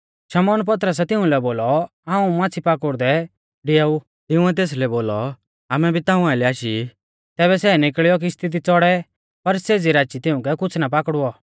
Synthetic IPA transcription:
ʃɐmɔːnp̬ɐt̪̬ɾəs̬ɛt̪ɪũlɛboːlɔ | ãːũmãːt͡sʰipakʊɾd̪ɛ | ɖɪjau | t̪ɪʊ̃ɛt̪̬eːs̬lɛboːlɔ | aːmɛbʱit̪aːũaːɪlɛaːʃi | t̪ɛːβɛsɛːnɪkɭijɔk̬iɪst̪ʰit̪̬it͡sɔɽɛ | pɐɾseːd͡ziɾaːt͡ʃit̪ɪʊ̃kɛkʊt͡sʰnapakɽuɔ

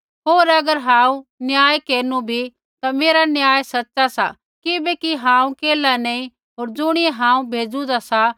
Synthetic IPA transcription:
ɦoːɾɐɡəɾɦãːũnjaːjkeːnubʱi | t̪ameːɾanjaːjsɐtːsasa̰ | kɪbekiɦãːũkeːlaneĩ | ɦoːɾd͡zʊɽ̃ieɦãːũbʱeːd͡zũd̪asa

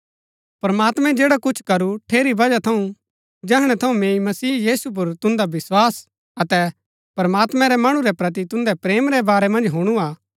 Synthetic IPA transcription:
pɾɐmaːt̪mɛ̃d͡ʒeːɽakʊt͡ʃʰkɐɾuʈʰeːɾibɐd͡ʒat̪ʰɐũ | d͡ʒɛɦɽ̃ɛt̪ʰɐũmẽːĩmɐsiːjiːsup̬ʊɾt̪ʊ̃nd̪abɪswaːs | ɐt̪ɛ | pɾmaːt̪mɛ̃ɾɛmɐɽ̃ũɾɛpɾɐt̪̬it̪ʊ̃nd̪ɛpɾeːmɾɛbaːɾɛmɐ̃nd͡ʒɦuɽ̃uaː

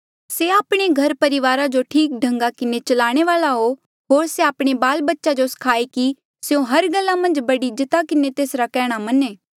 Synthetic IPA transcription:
seaːpɽ̃eɡʱɐɾpɐɾɪʋaːɾad͡ʒoʈʰiːk̚ɖʱɐ̃ŋɡakɪnet͡ʃɐlaːɽ̃eʋaːlaɦo | ɦoːɾseaːpɽ̃ebaːlbɐtːʃad͡ʒoskʰaːeki | seõɦɐɾɡɐlːamɐ̃nd͡ʒbɐɽid͡ʒɪt̪akɪnet̪eːsɾakɛːɽ̃amɐneː

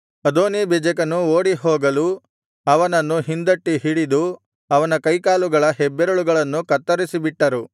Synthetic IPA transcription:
ɐd̪oːnibid͡ʒɐkɐnuoːɽiɦoːɡɐlu | ɐʋɐnɐnːuɦind̪ɐʈːiɦiɽid̪u | ɐʋɐnɐkɐjkaːluɡɐɭɐɦɛbːeɾɐɭuɡɐɭɐnːukɐt̪ːɐɾisibiʈːɐɾu

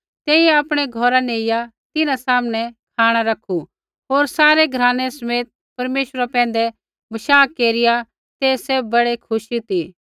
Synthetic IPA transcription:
t̪eːiɛaːpɽ̃ɛɡʱɔɾaneːɪjat̪ɪnãsaːmɽ̃ɛkʰaːɽ̃aɾɐkʰu | ɦoːɾsaːɾeɡʱɐɾãːnɛsɐmeːt̪̚pɐɾmeːʃəɾapɛ̃ːnd̪ɛ | mɐʃaːkːeːɾɪja | t̪eːsebbɐɽekʰʊʃit̪iː

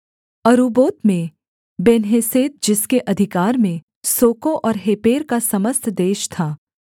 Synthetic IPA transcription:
ɐɾuːboːt̪mẽ | beːnɦeːseːt̪̚d͡ʒɪskeʔɐd̪ʱɪkaːɾmẽ | soːkoʔɔːɾɦeːpeːɾkasɐməst̪ʰd̪eːʃt̪ʰaː

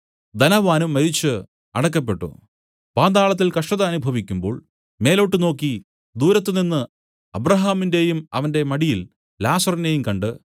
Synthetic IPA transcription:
d̪ɐnɐʋaːnumːɐɾit͡ɕːɨ | ɐɽɐk̬ːɐp̬ːe̞ʈːṵ | paːd̪aːɭɐt̪̬ːilkɐʂʈɐðɐːnubʱɐʋikʲːumbo̞ːɭ | me̞ːlo̞ʈːɨno̞ːkːi | d̪uːɾɐt̪ːɨninːɨ | ɐbɾɐɦaːminde̞jumɐʋɐnde̞mɐɽijil | laːsɐrine̞jumkɐɳɖɨ

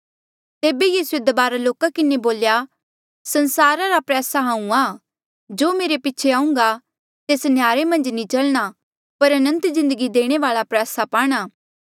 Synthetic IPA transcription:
t̪eːbejiːsued̪ɐbaːɾaloːkakɪneboːlja | sɐnsaːɾaɾapɾɛːsaɦãːũaː | d͡ʒoːmeːɾepɪːt͡ʃʰeãːʊ̃ŋɡa | t̪eːsnjaːɾemɐ̃nd͡ʒnĩt͡ʃɐlɽ̃a | pɐɾɐnə̃nt̪zɪ̃nd̪əɡid̪eːɽ̃eʋaːɭapɾɛːsapaːɽ̃aː

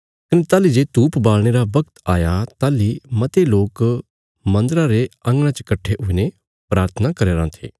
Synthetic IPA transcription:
kɐnet̪aːlid͡ʒeːt̪uːpbaːlɽ̃eɾabɐkt̪a̰ːjat̪aːlimɐt̪eloːk | mɐ̃nd̪ɾãɾeɐ̃ŋɡɽ̃ãt͡ʃɐkɐʈʰːeʔʊine | pɾaːɾt̪ʰənakɐɾeːɾãt̪ʰḛː

